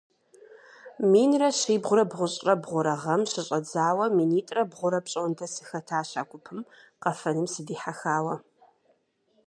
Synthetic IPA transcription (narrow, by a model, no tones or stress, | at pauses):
miːnrɐɕiːbʁʷʊɾɐbʁʷʊɕʼrɐbʁʷʊɾɐʁɐmɕɪɕʼɐd͡zaːwɐmiːniːtʼrɐbʁʷʊɾɐpɕʼoːntʰɐsɨxɐtʰaːɕa̰ːkʷʼʊpʰɨm | qɐfɐnɨmsɨdiːħaxaːwɐ